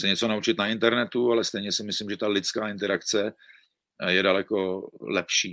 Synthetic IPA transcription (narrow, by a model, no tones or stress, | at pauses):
sɛɲɛt͡sonaut͡ʃɪt̪naɪnt̪ɛɾnɛt̪ualɛst̪ɛjɲɛsɪmɪslɪmʒɛt̪alɪt͡skaːɪnt̪ɛɾakt͡sɛ | jɛdalɛkolɛpʃiː